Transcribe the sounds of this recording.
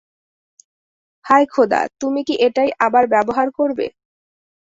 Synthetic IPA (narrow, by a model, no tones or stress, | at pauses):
hʰajkʰod̪a̰t̪umikiʔeʈajʔabaɾbɛboɦaɾkoɾbḛ